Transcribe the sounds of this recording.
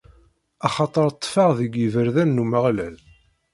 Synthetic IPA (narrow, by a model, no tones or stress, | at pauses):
ɑχɑt̪ˤəɾˤt̪ˤːfɑʁðiɡivəɾðænːuməʁlæl